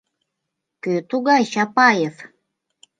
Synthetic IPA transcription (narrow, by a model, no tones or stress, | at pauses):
køt̪uɣɑjɕɑpɑjef